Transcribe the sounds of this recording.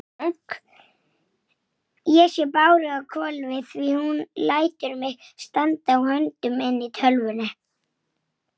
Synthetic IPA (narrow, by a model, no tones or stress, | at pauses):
k | jɛsjɛpaːwɾɪɣakʰɔlvɪθθvihunlaːjt̪ʏɾmɪɣst̪ant̪awhœnt̪ʏmɛnːɪt̪ʰœlvʏna